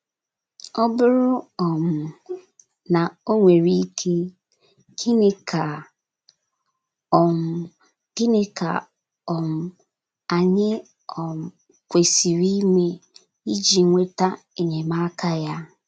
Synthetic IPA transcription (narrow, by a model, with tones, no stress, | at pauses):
ɔ˦bʊ˦ɾʊ˦ɔ˨m̩ʊ˨ | na˨o˦ŋʷe˨ɾi˦kʰe˦ | ki˦ne˦kʰa˨ | ɔ˨m˨ | kɪ˦nɪ˦ka̰˨ | ɔ˨m̩˨ | a˨ɲɪ˦ | ɔ˨m̩˨ | kʷe˨si˨ɾi˦me˦ | i˦d͡ʒi˨˦ŋʷe˦ta˦ | e˨ɲe˨ma˦kʰa˦ja˦